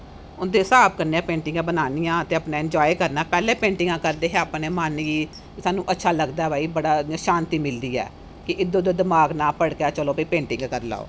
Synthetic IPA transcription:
ʊnd̪eːsaːbkəɾneːãːpẽːɳʈɪŋɡãːbənaːnijãːət̪eːəpnaːɪ̃ɲd͡ʒɔːekəɾnaːpɛːleːpẽːɳʈɪ̃ŋɡãːkəɾd̪eːɦeːəːpneːmaːnːiː | saːnũːʔətːʃʰaːləɡd̪aːɛbaːiːbəɽaːʃaːnt̪iːmɪld̪iːɛ̰ː | kɪʔɪd̪oːd̪oːd̪ɪmaːɡnaːpəɽkaːt͡ʃəloːpiːpẽːɳʈɪ̃ŋɡkəɾla̰ːo̰ː

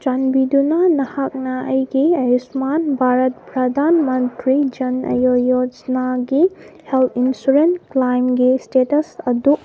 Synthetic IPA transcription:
d͡ʒanbidunɐnɐhak̚nɐɐjɡiɐjusmanbʱaɾɐt̚pɾɐdʱanmɐntɾid͡ʒɐnɐ̰jojod͡ʒnaɡiheltʰinsuɾentklajmɡistetɐsɐdu

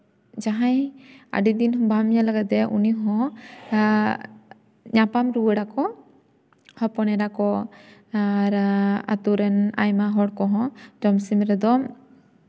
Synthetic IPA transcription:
d͡ʒaɦaja̰ɖid̪inɦɔ̃bamɲalaɡɛt̪ɛʔṵniɦɔ̃ | ɲapamɾuwəɽakɔ | hɔpɔnɛɖakɔ | aɾa̰t̪uɾɛna̰jmaɦɔɽkɔɦɔ̃d͡ʒɔmsimɾɛd̪ɔ

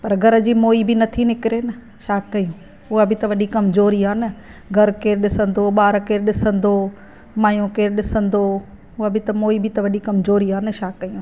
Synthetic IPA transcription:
pɐɾɡʱɐɾə̆d͡ʑiːmoːibɪnɐt̪ʰinɪkɪɾenɐ | ʃaːkːɐjũː | ʊɦabɪt̪ɐʋɐɗikɐmzoːɾiaːnɐ | ɡʱɐɾkeːɾɗɪsə̃nd̪oɓaːɾkeːɾɗɪsə̃nd̪o | maːjõkeːɾɗɪsə̃nd̪o | ɦʊɦəbɪt̪ɐmoːibɪt̪ɐʋɐɗikɐmzoːɾiaːnɪʃaːkːɐijũ

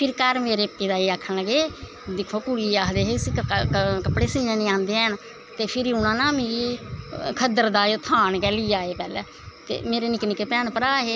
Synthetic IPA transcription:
pʰɪɾkəɾmeːɾeːpːiːd̪aːiːaːkʰːənləɡeː | d̪ɪkʰoːkʊɽiːaːkd̪eːɦeːsikəpɽeːsĩːãːnĩːãːnd̪eːən | t̪eːpʰɪɾiʊnãːnãːmeːɾi | kʰəd̪əɾd̪aːjoːt̪ʰaːnkɛːliːaːeːpɛːlɛː | t̪ḛːmeːɾeːnɪknɪkeːpɾɛːnpəɾaːɦeː

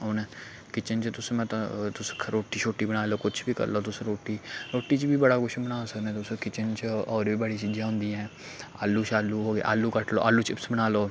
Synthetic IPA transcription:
onː | kɪt͡ʃənt͡ʃət̪ʊsmɛ̃ːt̪ãt̪ʊskʰɾoːʈːiːt͡ʃʰoːʈːiːbəɽ̃aːloːkʊt͡ʃʰbiːkə̰ɾloːt̪ʊsɾoːʈːiːɾoːʈːiːt͡ʃbiːbəɽaːkʊʃʰbənaːsəknẽːt̪ʊskɪt͡ʃənt͡ʃɔːɾiːbəɽiːt͡ʃiːd͡ʒãːɦʊ̃nd̪iːɛ̃ː | a̰ːlːuːt͡ʃaːlːuːɦoːɡḛːʔa̰ːlːuːkəʈlo̰ːʔa̰ːlːuːt͡ʃɪpsbəñaːloː

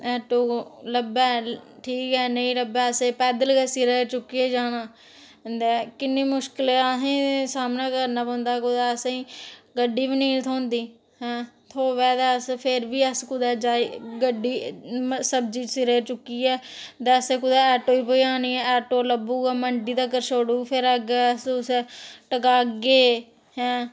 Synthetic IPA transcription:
ɛːʈoːləbɛːʈʰiːkɛːnəĩːɾəbɛːəseːpɛːd̪əlɡɛːsɪɾəːt͡ʃʊkːiːɛːd͡ʒaːnaː | d̪ɛkɪnːiːmʊʃkɪlaɦẽːsaːmnaːkəɾnaːpõːnd̪aːkʊd̪aːəsiːɡəɖːiːʋinĩːt̪ʰoːnd̪iː | hɛ̃ːt̪ʰoːʋɛːd̪ɛːəspʰɪɾʋiːəskʊd̪ɛːd͡ʒaːiɡəɖiːsəb̚d͡ʒiːsiɾeːt͡ʃʊkːiːɛːd̪ɛːəseːkʊd̪ɛːɛːʈoːiːpoːiːaːniːɛːɛːʈoːləbuːɡɛːməɳɖiːd̪aːkəɾʃoːɽuːpʰɪɾəɡɛːsʊseʈəkaːɡeː | hɛ̃ː

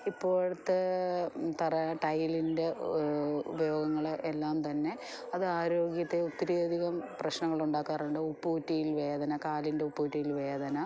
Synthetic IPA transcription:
ipːo̞ːɻɨt̪ːe | t̪ɐrɐʈɐjlinde̞ | ṵbɐjo̞ːɡɐŋːɐɭelːaːmt̪ɐnːe̞ | ɐðɨaːɾo̞ːɡjɐt̪ːe̞ut̪ːɐɾiɐd̪ʱiɣɐmprɐɕnɐŋːɐɭuɳɖaːkːaːruɳɖɨupːuːtːijilʋe̞ːd̪ʱɐnɐkaːlinde̞upːuːtːijilʋe̞ːd̪ʱɐnɐ

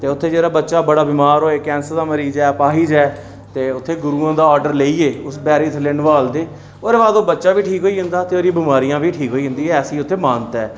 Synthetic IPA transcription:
t̪eːʊt̪ʰːeːd͡ʒeːɾaːbətːʃaːbəɽaːbɪːmaːɾɦoːeːkɛ̃ːnsəɾd̪aːməɾiːzɛːpaːɦiːd͡ʒɛː | t̪eːʊt̪ʰːeːɡʊɾuːãːd̪aːɔːɾɖəɾleːiːeːʊsbɛːɾiːt̪ʰəlɪnʋaːld̪eː | oːɾeːbaːd̪oːbətːʃaːbiːʈʰiːkɦoːiːɦʊ̃nd̪aːt̪eːoːɾĩbɪmaːɾijãːbiːʈʰiːkɦoːiːɦʊ̃nd̪iːɦɛːəsĩːʊt̪ʰːeːmãːnt̪ɛː

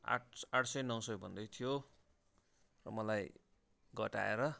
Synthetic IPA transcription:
a̰ʈaʈʰsʌjnʌwsʌjbʱʌnd̪ʌjt̪ʰijo | rʌ̰mʌlaj | ɡʌʈa̰ḛɾʌ

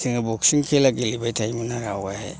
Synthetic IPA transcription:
iŋɯbɔksiŋkʰelaɡilibajtʰajminaɾawahḛ

